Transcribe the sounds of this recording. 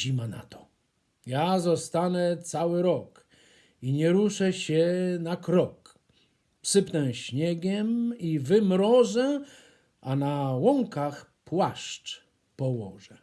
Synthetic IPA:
imana̰t̪ɔ̥ | jazɔst̪anɛt̪sawɘɾɔk | iɲɛɾuʂɛɕɛnakɾɔk | psɘpnɛɕɲɛɡʲɛmivɘmɾɔʐɛ | ʔanawɔŋkaxpwaʂt͡ʂ | pɔwɔʐɛ

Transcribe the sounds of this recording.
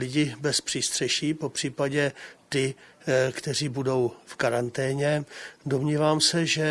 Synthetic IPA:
lɪɟɪbɛspr̝̥iːst̪r̥ɛʃiːpo̞pr̥iːpaɟɛt̪ɪkt̪ɛr̝iːbudo̞wfkaɾant̪ɛːɲɛdo̞mɲiːvaːmsɛʒɛ

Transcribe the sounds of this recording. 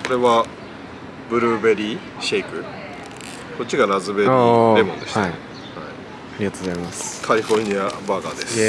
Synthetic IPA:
koɾe̞βa | bɯ̟ɾɯ̟be̞ɾʲi | ɕeikɯ̟ | ko̞tt͡ɕːiɡaɾazɨbedemõ̞̰nd̪eɕi | hai | aɾʲiɡat̪od̪eɾimaskʰaɾʲiɸo̞ɾɯɲ̟iabaɡa̰d̪e̞s

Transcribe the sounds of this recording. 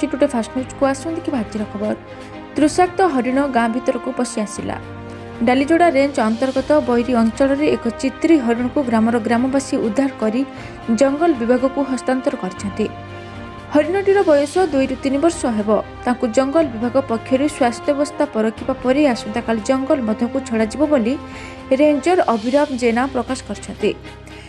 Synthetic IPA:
t͡ʃiʈuʈepʰasnut͡ʃkuasũd̪ekʰibʱɦad͡ʒiɾɔkʰɔbɔɾ | t̪ɾusak̚t̪ɔɦɔɾiɽ̃ɔɡamɔbʱit̪ɔɾɔkupɔsiasila̰ | ɖalid͡ʒoɽaɾend͡ʒɔnt̪ɔɾɡɔt̪ɔbɔjɾiɔnt͡ʃɔɭɔɾeekɔt͡ʃit̪ɾiɦɔɾiɽ̃ɔkuɡɾamɔɾɔɡɾamɔbasiud̪ʱːaɾɔkɔɾi | d͡ʒɔŋɡɔlbibʱaɡɔkuɦɔst̪ant̪ɔɾɔkɔɾit͡ʃʰɔnt̪i | hɔɾiɽ̃ɔʈiɾɔbɔjɔsɔd̪ujʈut̪inibɔɾsɔɦebɔt̪aŋkud͡ʒɔŋɡɔlbibʱaɡɔpɔkʰjɔɾuswast̪ʰjɔbɔst̪ʰapɔɾɔkʰːipapɔɾiasunt̪akalid͡ʒɔŋɡɔlmɔd̪ʱɔkut͡ʃʰɔɽad͡ʒibɔboli | ɾeɲd͡ʒɔɾʔɔbʱiɾɔbd͡ʒenapɾɔkasɔ̥kɔɾit͡ʃʰɔnt̪i

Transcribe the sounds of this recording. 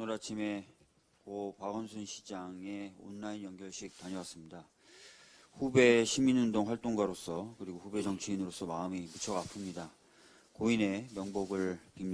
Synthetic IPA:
noɾat͡ɕʰime̞ | kopaɡʌnsʰunɕʰid͡ʑaŋe̞o̰nːainjʌŋɡjʌɭɕʰik̚taɲʌwas͈ɯmɲida | ɸube̞ɕʰiminundoŋɸwaɭt͈oŋɡwaɾos͈ʌkɯɾiɡoɸube̞d͡ʑʌŋt͡ɕʰiinɯɾos͈ʌmaɯmimut͡ɕʰʌɡapʰɯmɲida | koine̞mjʌŋboɡɯɭpi

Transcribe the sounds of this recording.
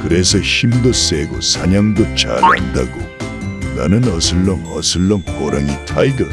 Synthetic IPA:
kɯɾesʰʌɕimdoseɡo̰sʰaɲaŋdot͡ɕa̰ɾa̰nda̰ɡo | na̰nɯnʌsʰɯɭːʌŋʌ̰sʰɯɭːʌŋkoɾaŋitʰajɡɯɭ

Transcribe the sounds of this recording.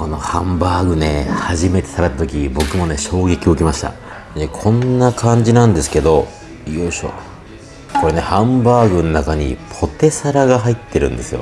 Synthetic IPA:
kono̞hãmbaːɡɯ̟ne̞haʑime̞t̪e̞̥saɾat̪ːat̪o̞kʲibo̞kɯ̟mo̞ne̞ɕo̞ːɡe̞kʲio̞ɯ̟kʲimaɕi̥t̪a̰ | nekʰõ̞nːakʰãɲ̟d͡ʑinãnd̪e̞sɨ̥ke̞d̪o̞ | ijoɕo̰ | ko̞ɾe̞ne̞hãmbaːɡɯ̟nonakaɲ̟ḭpʰo̞t̪e̞saɾaɡaɦait̪ːe̞ɾɯ̟̃nd̪e̞sɨjo̞̰

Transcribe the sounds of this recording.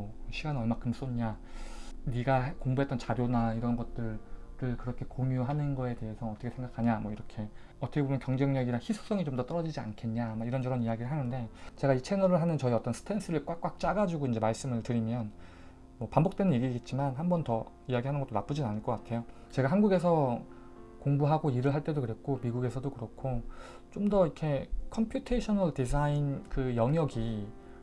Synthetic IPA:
ʌɕʰiɡanʌɭmakʰɯms͈oɲɲa | niɡakoŋbuɦet͈ʌnt͡ɕaɾjonaiɾʌnɡʌt̚t͈ɯɾɾɯɭkɯɾʌkʰe̞komjuɦanɯnɡʌe̞te̞ɦe̞sʰʌːt͈ʌkʰesʰeŋɡakʰaɲamwʌiɾʌkʰe̞ | ʌt͈ʰʌkebomjʌnkjʌŋd͡ʑeŋɲʌɡiɾaçisʰu̥s͈ʌŋit͡ɕomdʌt͈ʌɾʌd͡ʑid͡ʑia̰nkʰe̞nɲamaiɾʌnd͡ʑʌɾʌnijaɡiɾɯɭɦanɯnde̞t͡ɕe̞ɡait͡ɕʰe̞nʌɾɯɭɦanɯnt͡ɕʌiʌt͈ʌnsʰɯ̥tʰe̞ns͈ʰɯɾɯɭk͈wak͈wak̚t͡ɕ͈aɡad͡ʑuɡoind͡ʑe̞maɭs͈ɯmɯɭtɯɾimjʌn | mwʌpambok̚t͈we̞nɯnje̞ɡiɡe̞t̚t͡ɕ͈imanɦambʌntʌ | ijaɡiɦanɯnɡʌt͈onap͈ud͡ʑinanɯɭk͈ʌk͈atʰe̞jot͡ɕe̞ɡaɦanɡuɡe̞s̬ʰʌ | koŋbuɦaɡoiɾɯɭɦaɭt͈e̞dokɯɾe̞kʰomiɡuɡe̞sʰʌdokɯɾʌkʰo | t͡ɕomdʌikʰe̞kʰʌmpʰjutʰeɕʰʌnʌɭtis̬ʰainkɯjʌŋjʌɡi

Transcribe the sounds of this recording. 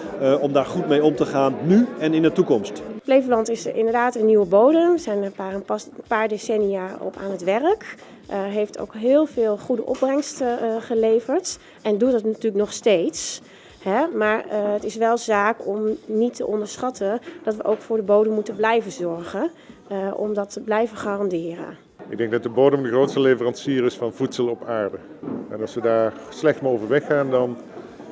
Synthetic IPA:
ɔmdaːɹχut̚mejɔmtəχaːnnyɛnɪndətukɔmstplejvəlɑntɪsɪ̰ndəɹdaːtənːiwəbowdəmzɛjnpaːəpɑspaːɹdesɛnijaɔ̰pa̰ːnətʋɛrək | ʔɦejftʰo̰wkɦɪːlˠvɪːlˠχudəʔɔp̚rɛŋstəχəlejvəɹt | ɛndutdətnatyːɹləknɔχstejts | ɦɛmaːɹətɪsʋɛlˠzaːkɔmnitʰə̰ʔɔndəɹsχɑtʰəd̥ɑtʋəʔowkfʊːɹdəbowdəmːutənblɛjvəzɔɹχə | ʔɔ̰mdɑtʰəblɛjvəχaːrɑndɪːrə̰n | ɪɡ̚dɛŋ̚dɑt̚dəboːdəmndəɣrowtstəlevərɑnsiːɾɪsfɑnvutsəlˠɔpaːɹdə | ɛnɑlˠsʋədaːɹslɛxtmaovəɹʋɛxaːndɑn

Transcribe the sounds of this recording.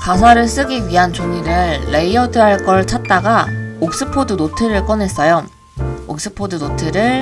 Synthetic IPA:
kas̬ʰaɾɯɭs͈ɯɡiɥiɦant͡ɕoŋiɾɯɭːe̞iʌdɯɦaɭk͈ʌɾɯɭt͡ɕʰat̚t͈aɡaok̚s͈ɯpʰodɯnotʰɯɾɯɭk͈ʌnɦe̞s͈ʌjo | ok̚s͈ɯpʰodɯnotʰɯɾɯɭ

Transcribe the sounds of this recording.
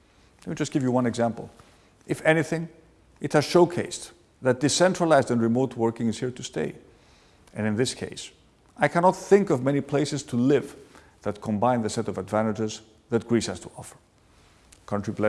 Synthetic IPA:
lɛt̚mid͡ʒʌstɡ̥ɪvjɨwʌ̃nɨɡzæ̃mpl̩ˠ | ɨfɛniθɪ̃ŋ | ɨthɨz̥ʃoʊkʰeɪs | ðɨt̚d̥ɨsɛ̃ntɹ̥əlaɪzdɨ̃nɹɨmoʊtwɜ˞kɪ̃ŋɨz̥hiɹtʰɨstḛɪ | ɨ̃nɨ̃nðɪskʰḛɪs | aɪkʰænɑt̪θɪ̃ŋkʌvmɛnipʰl̥eɪsɨz̥tʰɨlɪv | ðɨt̚kʰə̃mbãɪ̃nðɨsɛɾʌvədvæ̃ñtɨd͡ʒəz | ðɨt̚ɡ̥ɹishəz̥tʰəɔfə˞ | kʰʌ̃ntɹ̥iblɛ

